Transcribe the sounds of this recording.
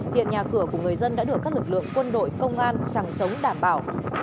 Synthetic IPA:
hḭ˧˨ənɲaː˨˩kɨ˧˩əku˧˩əŋɨ˨˩əjzə˧nɗa̰ː˧˥ɗɨ˨˩əkaː˦˥klɨ˩˨˩k̚lɨ̰˧˨əŋkwə˧nɗo̰˧˨jkə˧wŋ͡mʔaː˧nt͡ɕa˨˧˩ŋt͡ɕə˨˦wŋ͡mɗaː˧˩mɓaː˧˩w

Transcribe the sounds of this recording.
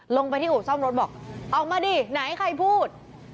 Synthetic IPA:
lo˧ŋpa˧jt̪ʰiː˥˩ʔuː˨˩sɔ˥˩mɾo˦˥t̪̚bɔː˨˩k̚ʔɔː˨˩k̚maː˧diː˧na˨˩˦jkʰa˧jpʰuː˥˩t̪̚

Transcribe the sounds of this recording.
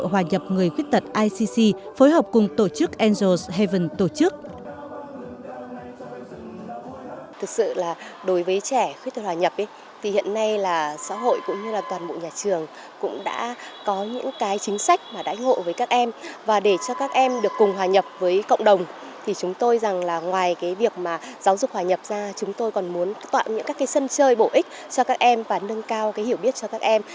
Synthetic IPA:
ɦwaː˨˩ɲə˨˩p̚ŋɨ˨˩əjxwt̚t̪ə˨˩t̚ʔaː˧jsi˧si˧foː˨˦jɦəː˨˩p̚kʊ˨˩ŋ͡mt̪o˧˩t͡ɕɨ˦˥k̚ʔɛ˧nzo˧˩shɛ˧və˨˩nt̪o˧˩t͡ɕɨ˦˥k̚ | t̪ʰɨ˨˩k̚sɨ̰˧˨laː˨˩ɗo˨˦jvəː˨˦jt͡ɕɛ˧˩xwt̪̚ə˨˩t̚waː˨ɲə˨˩p̚ʔə˨˦j | t̪ʰi˨˩hḭ˧˨ənːa˧jlaː˨˩sa̰ː˧˥ɦo̰˧˨jkʊ̰˧˥ŋ͡mɲɨ˧laː˨˩t̪waː˨˩nɓo̰˧˨ɲaː˨˩t͡ɕɨ˨˩əŋ | kʊ̰˧˥ŋ͡mɗa̰ː˧˥kɔ˨˦ɲɨ̰˧˥ŋkaː˨˦jt͡ɕï˨˦ŋ̟sa˦˥jk̟̚maː˨˩ɗa̰ː˧˥ŋo̰˧˨vəː˨˦jkaː˦˥k̚ʔɛ˧mvaː˨˩ɗe˧˩t͡ɕɔ˧kaː˦˥k̚ʔɛ˧mɗɨ˨˩əkːʊ˨˩ŋ͡mɦwaː˨˩ɲə˨˩p̚vəː˨˦jkə̰˧˨wŋ͡mɗə˨˩wŋ͡m | t̪ʰi˨˩t͡ɕʊ˨˦ŋ͡mt̪o˧jza˨˩ŋlaː˨˩ŋwaː˨˩jkaː˨˦jvi˨˩ək̚maː˨˩zaː˨˦wzʊ˨˩k͡p̚hwaː˨˩ɲə˨˩p̚zaː˧t͡ɕʊ˨˦ŋ͡mt̪o˧jkɔ˨˩nmu˨˦ənt̪wa̰ː˧˨mɲɨ̰˧˥ŋkaː˦˥kaː˨˦jsə˧nt͡ɕəː˧jɓo˧˩ʔï˦˥k̟̚ | t͡ɕɔ˧kaː˦˥k̚ʔɛ˧mvaː˨˩nɨ˧ŋkaː˧wkaː˨˦jhi˧˩əwɓi˦˥ət̚t͡ɕɔ˧kaː˦˥k̚ʔɛ˧m

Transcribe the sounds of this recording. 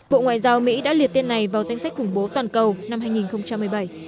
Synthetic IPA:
ɓo̰˧˨ŋwa̰ː˧˨jzaː˧wmḭ˧˥ɗa̰ː˧˥li˨˩ət̪e˧nːa˨˩jvaː˨˩wza˧jŋ̟sa˦˥k̟̚xʊ˧˩ŋ͡mɓo˨˦t̪waː˨˩nkə˨˩wna˧mhaː˧jŋi˨˩nxə˧wŋ͡mt͡ɕa˧mː˨˩əjɓə˧˩j

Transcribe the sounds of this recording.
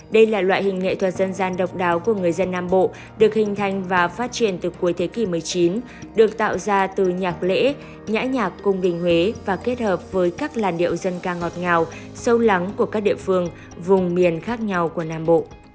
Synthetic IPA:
ɗə˧jlaː˨˩lwa̰ː˧˨jhï˨˩ŋ̟ŋḛ˧˨t̪ʰə˨˩t̚zə˧nzaː˧nɗə˨˩wk͡p̚ɗaː˨˦wku˧˩əŋɨ˨˩əjzə˧nːaː˧mɓo̰˧˨ | ɗɨ˨˩ək̚hï˨˩ŋ̟t̪ʰa˧˩jŋ̟vaː˨˩faː˦˥t̚t͡ɕi˧˩ənt̪ɨ˨˩ku˨˦əjt̪ʰe˨˦ki˧˩mɨ˨˩əjt͡ɕi˨˦n | ɗɨ˨˩ək̚t̪a̰ː˧˨wzaː˧t̪ɨ˨˩ɲaː˨˩k̚lḛ˧˥ | ɲa̰ː˧˥ɲaː˨˩kːʊ˧ŋ͡mɗï˨˩ŋ̟hwe˨˦vaː˨˩ke˦˥t̚həː˨˩p̚vəː˨˦jkaː˦˥k̚laː˨˩nɗḭ˧˨əwzə˧nkaː˧ŋɔ˨˩t̚ŋaː˨˩w | sə˨˦wla˨˦ŋku˧˩əkaː˦˥k̚ɗḭ˧˨əfɨ˧əŋ | vʊ˨˩ŋ͡mmi˨˩ənxaː˦˥k̚ɲa˧wku˧˩ənaː˧mɓo̰˧˨ʔ

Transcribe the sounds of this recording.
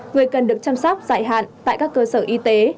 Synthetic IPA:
ŋɨ˨˩əjkə˨˩nɗɨ˨˩ək̚t͡ɕaː˧msɔ˦˥k͡p̚zaː˧˩jɦa̰ː˧˨nt̪a̰ː˧˨jkaː˦˥kːəː˧səː˧˩ʔi˧t̪e˨˦

